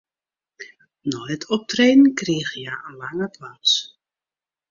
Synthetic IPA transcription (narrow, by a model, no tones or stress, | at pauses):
nɔjətʰɔp̚treːnən̩kriəxjaʔənlaŋəplans